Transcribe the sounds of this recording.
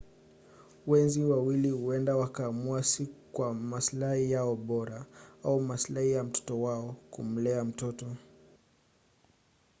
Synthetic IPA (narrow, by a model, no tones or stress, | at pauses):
wɛnziwawilihuɛndawakaːmuasikwamaslahijaɔɓɔɾaaumaslahijam̩tɔ̥tɔwaɔkṵm̩lɛam̩tɔtɔ